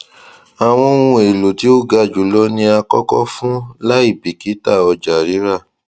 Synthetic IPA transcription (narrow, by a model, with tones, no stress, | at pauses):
a˨w̃ɔ̃˧˦ũ˧e˨lo˨ti˨˦o˦ɡa˧d͡ʒu˨lɔ˦nĩ˧a˧kɔ˦kɔ˦fũ˦la˦i˦˨bi˨ki˨˦ta˦˨ɔ˧d͡ʒa˨ɾi˨˦ɾa˦˨